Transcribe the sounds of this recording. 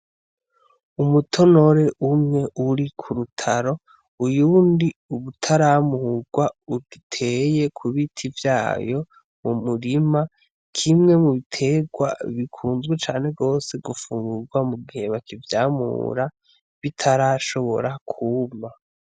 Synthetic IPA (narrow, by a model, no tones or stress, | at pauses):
umutʰo̞no̞ɾe̞ʔumŋe̞ʔuɾikʰuɾutʰaɾo̞ | ujuːndiuβutʰaɾamuɡwauɡitʰe̞je̞kʰuβitʰivjaːjo̞ | mumuɾima | kʰimŋe̞muβitʰe̞ɡwa̰βikʰuːnzɡwet͡ʃaːne̞ɡo̞ːse̞ɡufuːŋɡuɡwamuɡihe̞βakivjaːmṵːɾa | βitʰaɾaʃo̞βo̞̰ɾakʰuːma